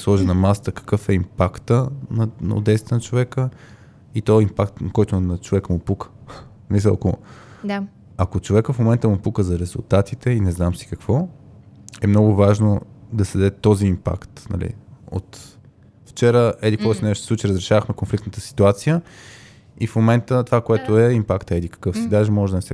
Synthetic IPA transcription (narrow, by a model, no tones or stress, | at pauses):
slˠɔʒɛnɐmast̪əkə̥kɤfɛimpakt̪ənɐn̰o̰d̪ɛjst̪ɛnɐt͡ʃovɛkə | it̪ɔimpakt̪nɐkɔjt̪onɐt͡ʃovɛkəmʊpukʰə̥ | misəlˠɐko | ɐkot͡ʃovɛkəfmomɛnt̪əmʊpukəzɐɾɛzʊlˠt̪at̪it̪ɛinɛznamsi̥kəkv̥ɔ | ɛmnɔɡʊvaʒnod̪ɐsɛd̪d̪ɛt̪ɔziːmpa̰kt̪nɐ̰lḭo̰t̪ | ft͡ʃɛɾəɛd̪ikɔsnɛʃssˠut͡ʃiɾəzɾɛʃavəxmɛkonflikt̪nət̪ə̥si̥t̪uat̪sijə | ifmomɛnt̪ət̪ovakoɛt̪oɛimpakt̪ɛd̪ikə̥kɤfsid̪aʒɛmɔʒɛd̪ɐnɛsɛ